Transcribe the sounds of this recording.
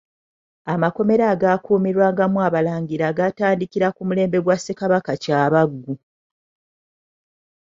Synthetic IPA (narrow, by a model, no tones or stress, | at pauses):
amako̞me̞ɾaːɡakuːmiɾwaːŋɡamwaβalaːɲɡiɾaːɡataːndikiɾakumule̞ːmbe̞ɡwasːekaβakacaːβaɡːu